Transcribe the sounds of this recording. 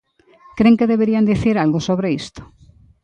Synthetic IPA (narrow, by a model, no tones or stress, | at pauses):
kɾeŋkeðeβeɾiand̪iθiɾalɣosoβɾeist̪o̥